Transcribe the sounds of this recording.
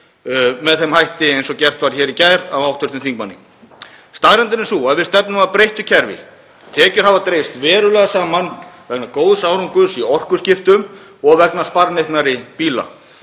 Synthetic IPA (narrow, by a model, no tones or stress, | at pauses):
mɛðθɛmhajht̪ɪejnsɔcɛr̥t̪vaːɾçɛːɾicaːjɾavawht̪ʰʏɾ̥t̪ɪnθiŋk̚manːiŋ | st̪aːɣɾɛnt̪ɪnɪnsuaðvɪst̪ɛpnʏmaðpɾejht̪ʏcʰɛɾvɪ̰ | t̪ʰɛːcʏɾ̥havat̪ɾejɪst̪vɛːɾʏlɛɣasaːmanvɛknakoːwðsaːwɾuŋkʏsiɔr̥kʏscɪft̪ʏm | ɔɣvɛknaspaɾnejht̪naɾɪpiːla̰